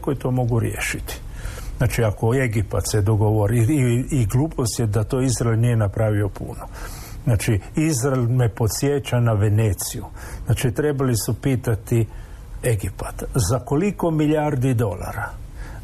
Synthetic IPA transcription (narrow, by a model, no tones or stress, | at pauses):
kojit̪o̞ːmo̞ɡuɾjḛːʃit̪i̥ | znaːt͡ʃiako̞e̞ɡipa̰t̪sed̪o̞ɡo̞ʋoɾiiɡluːpʰo̞st̪jed̪at̪o̞izɾaelʲnije̞napɾaʋio̞pṵno | znaːt͡ʃiizɾaelʲme̞po̞t̪sjet͡ʃanaʋe̞neːt̪siju | znaːt͡ʃit̪ɾe̞balisupiːt̪at̪i | e̞ɡipat̪zako̞liko̞miʎaːɾd̪id̪o̞la̰ɾa